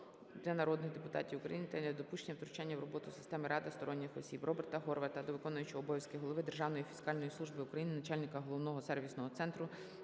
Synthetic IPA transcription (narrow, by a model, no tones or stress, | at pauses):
d̪lʲɐnɐɾɔd̪nɪxd̪e̞pʊt̪ɑ̰tʲiwʊkɾɐ̰jinɪt̪ɛd̪ʲɐd̪ɔpuʃt͡ʃenʲɐwt̪ɾʊt͡ʃanʲːɐwrɔbɔt̪ʊsɪ̥st̪ɛmɪɾɑd̪ɪst̪ɔɾɔnʲːɪxɔsʲibrʔɔbert̪ɐɦɔrʋɛt̪ɐd̪ɔʋɪkɔnʊjʊt͡ʃɐɔbɔjʲɐsʲkɪɦɔlˠɔʋɪd̪erʒɑwnɔjifʲi̥skɑlʲnɔjisˠuʒbɪʊkɾɐjinɪnɐt͡ʃɑlʲnɪkɐɦɔlˠɔwnɔɦɔsɛrʋʲisnɔɦɔt̪sɛnt̪ɾʊ